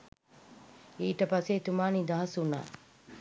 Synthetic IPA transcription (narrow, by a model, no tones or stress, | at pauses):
iːʈəpaset̪umaːnid̪aɦɐsuna̰ː